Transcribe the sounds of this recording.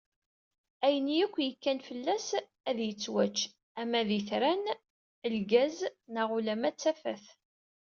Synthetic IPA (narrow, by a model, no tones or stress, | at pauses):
æjənijækʷːjəkːænfəlːæs | æðjət͡sːwæt͡ʃː | æmæðiθɾæn | əlɡæznaʁulæmæt͡sːæfæ̰θ